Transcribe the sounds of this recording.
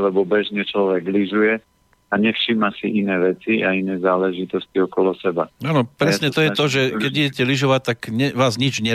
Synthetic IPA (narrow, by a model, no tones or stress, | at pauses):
lɛbɔbɛʒɲɛt͡ʃlɔʋɛɡliʒujɛ | aɲɛfʃiːmasiʔinɛːʋɛt͡siainɛːzaːlɛʒit̪ɔsciɔkɔlɔsɛba̰aːnɔpɾɛsɲɛt̪ɔjɛt̪ɔʒɛkɛɟiɟɛcɛliʒɔʋac̚t̪ːakɲɛʋaːzɲid͡ʒɲɛ